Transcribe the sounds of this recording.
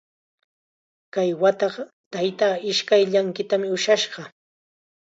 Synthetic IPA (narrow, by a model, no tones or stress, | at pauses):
kajwat̪ɑɢɑ | t̪ajt̪aːɪʃkajʎaŋkɪt̪amɪʊʃaʃɢɑ